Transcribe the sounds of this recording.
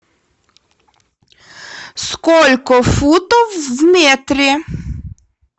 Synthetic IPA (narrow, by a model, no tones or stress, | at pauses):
skɔlʲkɔfut̪ɔwzmɛt̪ɾʲi